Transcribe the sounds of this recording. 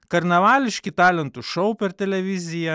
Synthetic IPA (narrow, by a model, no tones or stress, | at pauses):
kɐɾnɐʋɑːlʲɪʃʲkʲɪt̪ɑːlʲɛnt̪ʊʃɔʊpʲɛɾt̪ʲɛlʲɛʋʲɪzʲɪjɛ